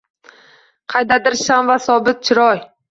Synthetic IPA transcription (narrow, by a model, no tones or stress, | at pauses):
qʰɑjd̪ad̪ɪɾʃamvasɒbɪt̪̚t͡ʃʰɪɾɒj